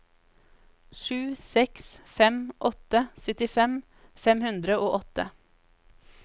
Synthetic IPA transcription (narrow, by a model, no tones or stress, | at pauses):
ʃʉːsɛksfɛmʔɔt̪əsœt̪ɪfɛm | fɛmhʉnd̪ɾəʔoːʔɔt̪ə̰